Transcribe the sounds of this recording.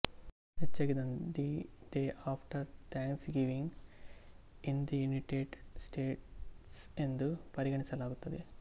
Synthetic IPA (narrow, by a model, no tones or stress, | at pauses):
het͡ʃːɐɡid̪ɐnd̪iɖeːaːpʰʈɐɾt̪ʰaːŋksɡiʋiŋ | ind̪ijuniʈeːʈsʈeːʈsend̪upɐɾiɡɐɳisɐlaːɡut̪ːɐd̪e